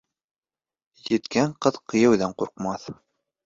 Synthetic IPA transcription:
jɘ̆t̪kæɴqɤðqɤ̆jɤ̆wðæɴquɾqmɑθ

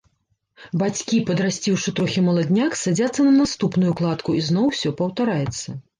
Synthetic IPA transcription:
bat͡sʲkʲipɐd̪ɾasʲt͡sʲiwʂɨt̪ɾɔxʲimɐlˠad̪ʲnʲaksad͡zʲat̪sːɐnɐnast̪upnʊjuklˠat̪kuiznɔwsʲɔpɐwt̪aɾajɛt̪sːɐ

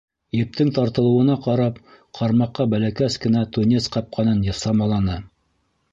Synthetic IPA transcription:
jɘ̆p̚t̪ɘŋt̪ɑɾt̪ɤ̆lˠɤ̆wɤ̆nɑqɑɾɑp̚ | qʰɑɾmɑqːɑbælækæskɘ̆næt̪unʲesqɑp̚qʰɑnɤnjɤ̆sɑmɑlˠɑnɤ

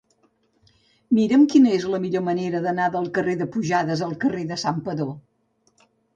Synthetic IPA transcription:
miɾəmkinəezləmiʎoməneɾəðənaðəlˠkəreðəpuʒaðəzəlˠkəreðəsampəðo

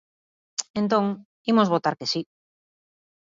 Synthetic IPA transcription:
ent̪õŋ | imozβot̪aɾkesi

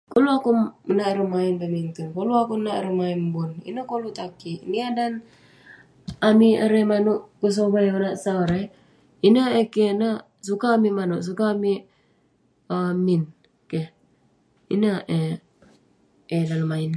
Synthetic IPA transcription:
koluakuənaiɾəmainbəmiŋt̪unkoluakunaʔɾəmainbunḭnəkolut̪akiniadan | amiəɾemanuʔkus̬oβajənaʔsaɾe | inəekena | sukaːmimanuʔs̬ukaːmi | əmin | ke | ḭnəʔe | edaləmain

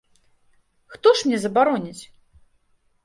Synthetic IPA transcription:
xt̪ɔʂmnʲɛzɐbaɾɔnʲit͡sʲ

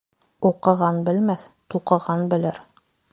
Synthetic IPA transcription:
uqɤ̆ʁɑnbɘ̆lmæθt̪uqɤ̆ʁɑnbɘ̆lɘɾ

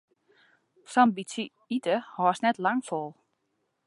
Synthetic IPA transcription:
sɔmbisi | itəhɔːsnɛtlaŋfɔlˠ

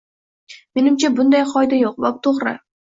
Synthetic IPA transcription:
me̞nɪmt͡ʃʰabʊnd̪ajqʰɒjd̪ajoq̚bɒp̚t̪ʰoʁɾɪ̰

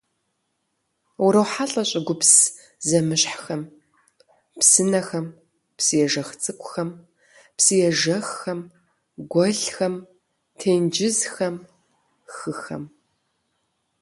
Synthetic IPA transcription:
wʊɾɐwħaɬʼɐɕʼɐɡʷʊps | zɐmɨɕħxɐm | psɨnɐxɐm | psɨjɛʒɐxt͡sʼɨkʷʼʊxɐm | psɨjɛʒɐxxɐm | ɡʷɔɮxɐm | tʰeːjnd͡ʒɪzxɐm | xɨxɐ̰m

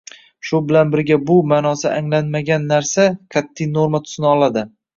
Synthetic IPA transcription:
ʃʊbɪlanbɪɾɡʲabʊmaːnɒsaʔaŋlanmaɡʲanːaɾsakʲʰat̪ʰːɪjno̞ɾmat̪ʰʊ̥snɪɒlˠad̪ɪ

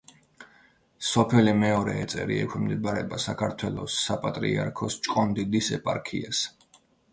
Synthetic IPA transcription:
sɔpʰɛlimɛɔɾɛːt̪sʼɛ̰ɾḭɛkʷʰwimd̪ɛbaɾɛbasakʰaɾt̪ʰwɛlˠɔ̰sːapʼat̪ʼɾḭaɾkʰɔst͡ʃʼkʼɔnd̪id̪isɛpʼaɾkʰias

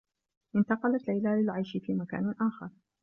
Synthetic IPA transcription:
ʔɪnt̪ɑqɑlat̪lajlalɪlʕajʃfiːmaka̰ːnʔaːxɑ̰ɾˤ

